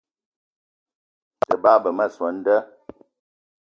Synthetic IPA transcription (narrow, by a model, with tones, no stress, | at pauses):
ə˨ba˦bə˨mə˦˨swə˨˦n̩˦də˦